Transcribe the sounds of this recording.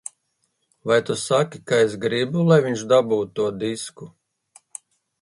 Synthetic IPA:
vajt̪usakʲikaesɡɾibulˠajviɲʲt͡ʃd̪abuːt̪ːuɔd̪isku

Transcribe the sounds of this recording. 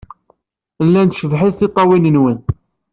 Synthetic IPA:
lːænt̪ʃəvħiðθit̪ˤːɑwinənwən

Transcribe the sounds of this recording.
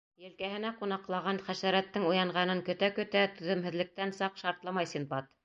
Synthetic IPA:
jɘ̆lkæɦɘ̆næqunɑqlˠɑʁɑnχæʃæɾæt̪ːɘŋujɑɴʁɑnɤŋkɵ̆t̪ækɵ̆t̪æt̪ɵ̆ðɵ̆mhɘ̆ðlɘ̆k̚t̪ænsɑqʃɑɾt̪lˠɑmɑjsimbɑt̪

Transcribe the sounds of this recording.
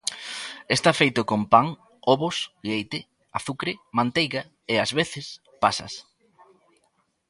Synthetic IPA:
est̪afejt̪ʊkompaŋ | oβosʎejt̪ɪ | aθukɾɪmãnt̪ejɣa | eazβeθɪs | pasɐ̰s

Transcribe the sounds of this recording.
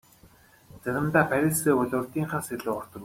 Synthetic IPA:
t͡sæɾʲə̆mt̪aːpʰæɾʲɪ̆ɮseːʊɮʲʊ̆ːɮt̪iːŋχaːnseɮʊːɔr̥t̪ɞ̆

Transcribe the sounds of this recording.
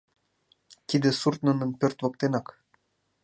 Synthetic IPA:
t̪id̪ĕsurt̪nɤ̆nə̆npørt̪vɤ̆k̚t̪enɑk

